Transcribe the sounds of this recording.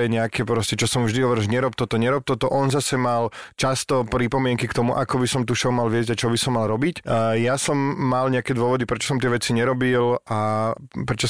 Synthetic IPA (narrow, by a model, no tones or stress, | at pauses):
ɛɲɛakʰɛpɾɔscɛt͡ʃɔsɔmvʒd̪iɦɔʋɔɾɛʒɛɲɛɾɔpt̪ɔt̪ɔɲɛɾɔp̚t̪ɔt̪ɔʔɔnzasɛmalt͡ʃast̪ɔpɾipɔmɪɛŋkikt̪ɔmuʔakɔbisɔmt̪uʃɛumalʋɪɛzɟaɪt͡ʃɔbisɔmːalɾɔbicjasɔmːalɲɛakɛd̪ʋʊɔʋɔd̪ipɾɛt͡ʃɔ̥sɔmt̪ɪɛʋɛt͡siɲɛɾɔbila | pɾɛt͡ʃɔ